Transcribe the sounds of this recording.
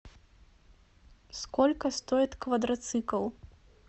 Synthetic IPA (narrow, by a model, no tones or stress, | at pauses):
skɔlʲkɐst̪ɔjɛt̪ʲkvɐd̪ɾɐt̪sɨkɐlˠ